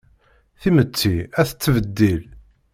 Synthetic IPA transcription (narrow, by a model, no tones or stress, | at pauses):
θimət͡sːiæθə̥t͡sːəvəd̪ːil